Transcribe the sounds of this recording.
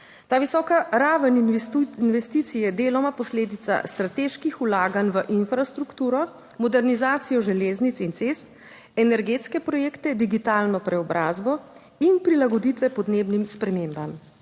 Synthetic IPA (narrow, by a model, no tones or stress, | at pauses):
t̪aːʋisɔːkaɾaːʋəninʋɛst̪iːt̪sijɛd̪eːlɔmapɔsleːd̪it̪sa̰st̪ɾat̪eːʃkixulaːɡanʋəʔinfɾast̪ɾukt̪uːɾɔ | mɔd̪ɛɾnizaːt̪sijɔʒɛleːznit̪sint̪seːst̪̚ | ɛnɛɾɡeːt̪skɛpɾɔjeːkt̪ɛd̪iɡit̪aːlnɔpɾɛɔbɾʔaːzbɔ | inpɾilaɡɔd̪iːt̪ʋɛpɔd̪neːbnimspɾɛmeːmbam